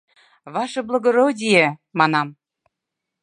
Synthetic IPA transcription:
βɑʃɤ̆blˠŏɣoɾodʲijemɑnɑm

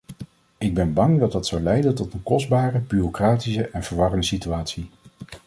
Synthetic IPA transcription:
ɪɡ̚bɛnbɑŋdɑd̚dɑtsɑwlɛjdəntɔtənkɔzdbaːrəbyrokraːtisəʔɛnvəɹʋɑrəndəsityaːtsi

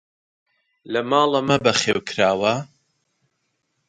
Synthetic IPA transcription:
lɐmɑːlˠɐmɐbɐχeːwkʰɾaːwɐ

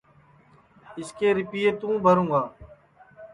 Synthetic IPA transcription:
ɪskeːɾɪpiːeːt̪ũːbʱəɾũːɡaː

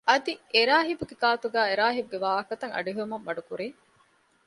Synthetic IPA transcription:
ʔɐd̪ieɾaːɦibuɡekaːt̪uɡæːeɾaːɦibuɡeʋaːɐkɐt̪ɐŋɐ̰ɖiɦeumɐmːɐɖukuɾe

